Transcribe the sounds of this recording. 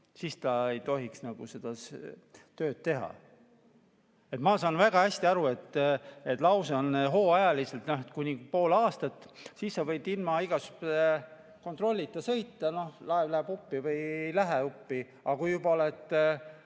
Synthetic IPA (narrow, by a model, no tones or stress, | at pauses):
sist̪ɑe̞jt̪o̞ɦiksnɑɡ̥use̞d̪̥ɑst̪øːd̪̥̚t̪e̞ɦɑ̰ | et̪mɑsɑːnvæɡ̥ɑæsʲt̪iɑɾue̞t̪ːe̞t̪ːlɑwseonɦo̞ːɑjɑliselt̪noɦet̪kunʲipo̞ːlɑːst̪ɑt̪ːˑ | sisːɑvɤjd̪ilmɑiɡ̥ɑsyp | ko̞nt̪ro̞lʲːit̪ːˑɑsɤjt̪ːˑɑno̞hlɑevlæhebupːivɤjeejlæɦeupːi | ɑkujubɑo̞let̪ːˑ